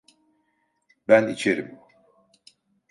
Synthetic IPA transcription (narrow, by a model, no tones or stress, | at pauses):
bænit͡ʃʰeɾimbu